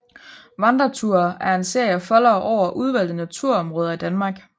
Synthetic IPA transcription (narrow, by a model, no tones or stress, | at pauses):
ʋɑ̈nd̥ɐt͡sʰuɐ̰æɐe̝nse̝ɐjəfɒ̽lɐʔɒʊ̰ɐʔuð̞ˠʋæl̰d̥ð̩ˠnæt͡sʰuɐɒ̽mʁɔ̽ːðˠɐid̥ænmɑ̈ːɡ̥